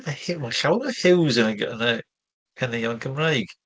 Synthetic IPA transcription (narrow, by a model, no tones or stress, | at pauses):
mahɪmaɬawɾəhɪwzənəɡə̰nə | kʰənɛjanɡəmrajɡ̥